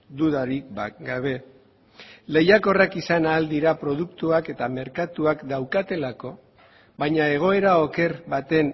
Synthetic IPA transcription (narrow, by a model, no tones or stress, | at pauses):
d̪uðaɾikɡaβe̞ | le̞jako̞rakisanaːld̪iɾapɾo̞ð̞ukt̪uake̞t̪ame̞ɾkat̪uakd̪awkat̪e̞lako̞ | βajɲae̞ɣ̞o̞e̞ɾaoke̞ɾβat̪e̞n